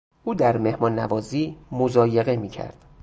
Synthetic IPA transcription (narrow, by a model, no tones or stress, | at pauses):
ʔuːd̪æɾme̞hmɒːnːævɒːziːmozɒːjeɣemiːcʰæ̰ɾd̪̥